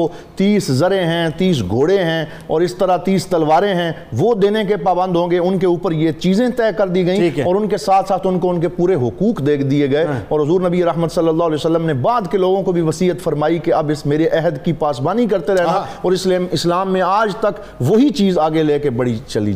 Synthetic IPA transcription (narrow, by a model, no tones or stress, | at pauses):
o | t̪iːszɐɾẽɦɛ̃ːt̪iːsɡʱoːɽeɦɛ̃ | ɔːɾɪst̪əɾat̪iːst̪ɐlʋaːɾẽɦɛ̃ʋod̪eːnekepaːbə̃nd̪ʱɦõːɡeʊnkeuːpəɾjet͡ʃiːzẽt̪ɛːkɐɾd̪iɡɐĩːkɔːɾʊnkesaːt̪ʰsaːt̪ʰʊnkoʊnkepuːɾeɦʊkuːkd̪eːkʰd̪ieɡɐeɔːɾɦʊzuːɾnəbieɾɐɦmət̪sɐlːəlːaːɦlɛːosəlːəmnebaːd̪keloːɡõkobʱiʋɐsiːət̪fɐɾmaːikeɐbɪsmeːɾeʔɛɦəd̪kipaːsbaːnikɐɾt̪eɾɛɦnaɔːɾɪslmɪslaːmːẽaːd͡ʒt̪ɐk | ʋoɦit͡ʃiːzaːɡeleːkebɐɽit͡ʃɐlḭ